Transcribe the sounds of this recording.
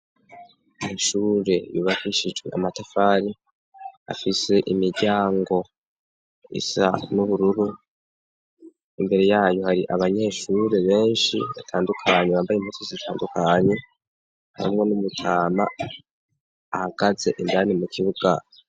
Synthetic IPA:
miʃuɾe̞juβakiʃid͡ʒɡe̞̰ʔamatafaɾi | a̰fise̞ʔimiɾɟaːŋɡo̞ | ḭsa̰nuβuɾuɾu | imbe̞ɾe̞jaːjo̞haɾiʔaβaɲe̞ʃuɾe̞βe̞ːnʃḭβa̰tʰaːndukʰaɲeβaːmbajemhusoziitʰaːndukʰaɲe̞ | ha̰ɾḭmŋo̞numutʰaːma | haɡ̥aze̞ʔindanimucʰiβuɡ̥a

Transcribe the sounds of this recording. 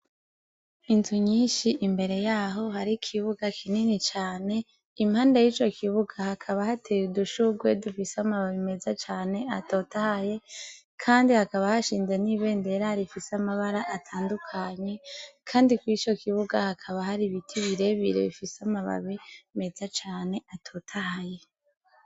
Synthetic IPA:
inzuɲiːnʃiʔimbe̞ɾe̞jaːɦo̞haɾikʰiβuɡakʰininit͡ʃaːne̞ | imhaːndajiːt͡ʃo̞kʰiβuɡahakʰaβahatʰejuduʃuɡwe̞dufiseamaβaβime̞zat͡ʃaːne̞ato̞tahaje̞ | kʰaːndihakaβahaʃiːnze̞niβe̞ːnde̞ɾaɾifiseamaβaɾaʔatʰaːndukʰaɲe̞kʰaːndikwit͡ʃo̞kiβuɡahakʰaβahaɾiβitʰiβiɾe̞βḭɾḛβifiseamaβa̰βime̞zat͡ʃaːne̞atʰo̞ːtʰahaje̞

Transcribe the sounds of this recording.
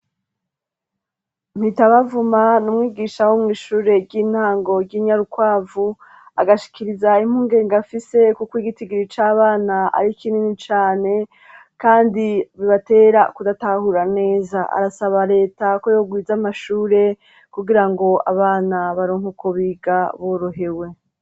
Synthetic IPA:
m̥hitaβavumanumŋiːɡiːʃawomŋiːʃuːɾe̞ɾɟiːn̥haːŋɡo̞ɾɟiːɲaɾukwaːvu | a̰ɡaʃi̥kiɾizaim̥huːŋɡe̞ːŋɡafise̞kukwiːɡitiɡiɾit͡ʃaːβaːnaa̰ɾikininit͡ʃaːne̞ | kaːndiβiβate̞ːɾakudatahuɾane̞ːzaa̰ɾasaβaɾe̞ːtako̞jo̞ːɡwiːzamaʃuːɾe̞ | kuɡiɾaŋɡo̞aβaːnaβaɾoːŋhukʰoβiːɡaβoːɾoɦewe̞

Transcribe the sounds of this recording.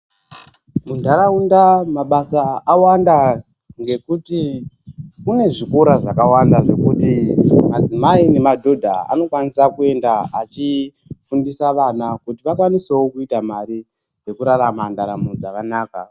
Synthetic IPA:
mundʱaɾaundamaɓasaːwanda | ŋɡe̞kuti | kune̞ʐikoɾaʐakawandaʐe̞kutimad͡zimaine̞madʱo̞dʱa̰a̰no̞kwanisakue̞ndaat͡ʃi | fundisaʋanakutiʋakwanisewokuitamaɾi | d͡ze̞kuɾaramandaɾa̰mud͡zakanaːka

